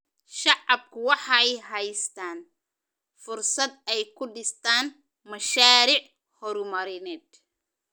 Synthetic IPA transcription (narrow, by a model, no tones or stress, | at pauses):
ʃɑʕɑb̚kʰʊwɑħɑɛjɦɐjst̪ʰaːn | fʊrsɐd̪ɛjkʰʊɖɪst̪ʰaːn | mɐʃaːɾɪʕ | hɔɾʊmɐɾɪnɛːd̪̚